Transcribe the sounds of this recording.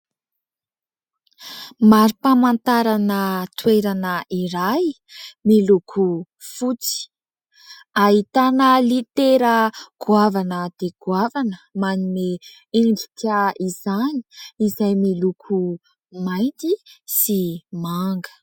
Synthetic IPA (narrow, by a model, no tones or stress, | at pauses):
maɾipamant̪aɾanət̪weɾanəiɾaj | milukʰu | fut͡si̥ | aɦit̪anəlit̪eɾəɡ̥uavanəd̪̥eɡ̥wavanəmanime | eɳɖ͡ʐikʲaizani̥izajmilukʰu | majnt̪isimaŋɡə̥